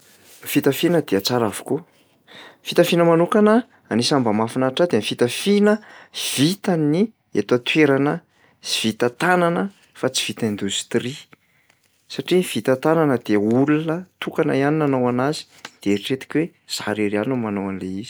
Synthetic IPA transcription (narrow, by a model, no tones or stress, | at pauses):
fit̪əfinəd̪eat͡saɾavu̥ku | fit̪afinəmanukanə | anisambəmafinaʈ͡ʂad̪eanifit̪əfinəv̥it̪ani | ḛt̪at̪weɾanə | v̥it̪ət̪ananə | fat͡si̥v̥it̪əend̪ust̪ri | saʈ͡ʂiv̥it̪ət̪ananəd̪eulunət̪ukanə̰janinanowanazi̥ | d̪̥eeɾiʈ͡ʂet̪i̥kʲwe | z̥aɾiɾanumanowanileizi̥